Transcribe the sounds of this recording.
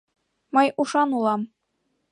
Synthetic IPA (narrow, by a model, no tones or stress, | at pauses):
mɤjuʃɑnulˠɑm